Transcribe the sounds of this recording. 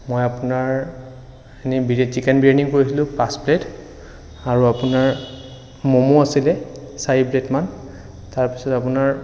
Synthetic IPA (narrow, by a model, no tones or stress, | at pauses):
mojapunaɹ | enibit͡ʃikɛnbɹendiŋkoɹisilʊ̃pasplet | aɹuapunaɹ | momoasilɛ | sajipletman | taɹpi̥sɔtapunaɹ